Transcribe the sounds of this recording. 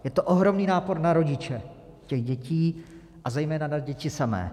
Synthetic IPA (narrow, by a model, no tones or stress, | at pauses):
jɛt̪oʔoɦɾo̞mniːnaːpo̞ɾnaɾo̞ɟɪt͡ʃɛ | cɛɣɟɛciː | ʔazɛjmɛːnanaɟɛcɪsamɛ̰ː